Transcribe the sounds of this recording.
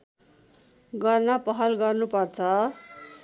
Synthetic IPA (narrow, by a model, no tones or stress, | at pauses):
ɡʌrnʌpʌɦʌlɡʌrnupʌrt͡sʰʌ